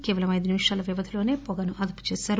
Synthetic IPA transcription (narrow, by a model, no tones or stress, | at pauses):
keːʋɐlɐmɐjd̪unimiʂaːlɐʋiʋɐt̪ʰilo̞ːne̞ːpɔɡɐnuʔɐd̪ɐpu̥t͡ʃeːsaːɾu